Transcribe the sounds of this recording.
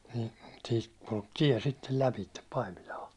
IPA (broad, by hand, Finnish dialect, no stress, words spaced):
niː siːt kulk tiɛ sitːel læpitːep pɑimilɑː